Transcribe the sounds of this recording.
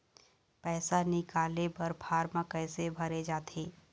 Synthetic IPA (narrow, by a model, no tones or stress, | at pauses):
pɛːsanɪkaːlebɐɾpʰaːɾmə̃kɛːsebʱɐɾed͡ʒaːt̪ʰeː